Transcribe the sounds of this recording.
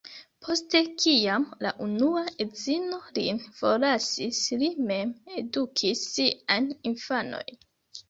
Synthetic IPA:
pʰo̞ste̞kiamla̰ʔunuaʔe̞zino̞lḭnfo̞lasislime̞me̞dukʰisːiajninfano̞̰jn

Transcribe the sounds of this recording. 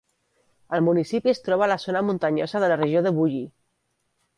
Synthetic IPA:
əlˠmunisipiəst̪ɾɔβ̞alazonamunt̪əɲo̰zəðələrəʒioðəβuʎi

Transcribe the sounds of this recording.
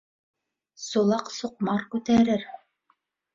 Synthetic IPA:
sulˠɑqsuq̚mɑɾkʉt̪æɾɘɾ

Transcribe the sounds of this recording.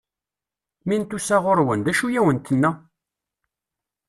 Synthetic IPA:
mint̪ːusæʁʊɾwənd̪æʃujæwənt̪ənːæ

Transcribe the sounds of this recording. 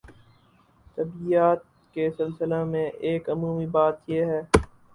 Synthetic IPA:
t̪ɐbiaːt̪̚ | kesɐlsɪlamẽʔeːkɐmuːmibaːt̪jeɦɛː

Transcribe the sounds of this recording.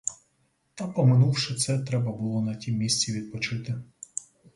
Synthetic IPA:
t̪ɐpɔmɪnuwʃɪt̪sɛt̪ɾɛbɐbʊlˠɔnɐtʲimːʲisʲt͡sʲiʋʲid̪̚pɔt͡ʃɪt̪ɪ

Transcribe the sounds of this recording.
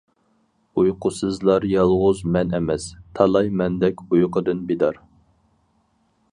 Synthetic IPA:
ujqʊsɨzlˠɑɾjɑlˠʁʊzmɛnɛmɛst̪ʰɑlˠɑjmɛnd̪ɛkʲujqəd̪ɨnbed̪ɑɾ

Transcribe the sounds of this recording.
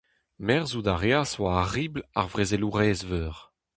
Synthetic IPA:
mɛʁzud̪aʁjaːswaʁiːbla̰ʁvʁezeluʁɛːzvøːʁ

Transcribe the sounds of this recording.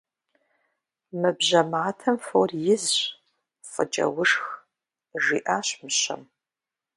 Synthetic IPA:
mɨbʑɐmaːtʰɐmforjɪzɕ | fʼə̰t͡ʃʼɐ̰wʊʂx | ʒḭːʔaːɕmɨɕɐ̰m

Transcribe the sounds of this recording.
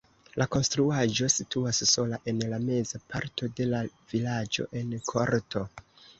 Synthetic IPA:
lʔako̞nstɾuaʒo̞situasːo̞laʔe̞nlame̞zapʰaɾtʰo̞de̞lavilad͡ʒo̞̰ʔe̞nkʰo̞̰ɾtʰo̞

